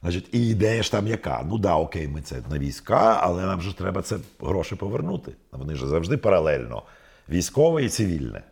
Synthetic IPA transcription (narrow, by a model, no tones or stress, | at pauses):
at͡ʃitʲiid̪ɛjɐʃt̪ɑmjɐkɑ̰nud̪ɑɔkɛjmɪt̪sɛnɐʋʲijsʲkaɐ̰lˠɛnamʒɛt̪ɾɛbɐt̪sɛɦɾɔʃɪpɔʋernut̪ɪʋɔnɪʒɛzɐwʒd̪ɪpɐɾɐlˠɛlʲnɔ̰ | ʋʲijsʲkɔʋɛit̪sɪʋʲilʲnɛ̰